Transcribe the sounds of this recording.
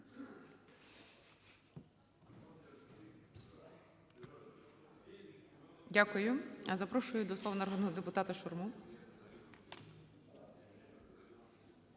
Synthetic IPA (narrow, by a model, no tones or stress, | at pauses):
dʲakʊjʊɐzɐpɾɔʃʊjʊd̪ɔsˠɔʋɐnɐɾɦɔnɔɦɔd̪epʊt̪ɑt̪ɐʃɔrmu